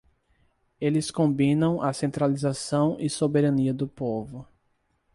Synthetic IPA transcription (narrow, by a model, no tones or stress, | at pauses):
elɪskõbĩnɐ̃w̃ʔasẽnt̪ɾalizasɐ̃w̃ʔɪsobeɾɐ̃niɐd̪ʊpovʊ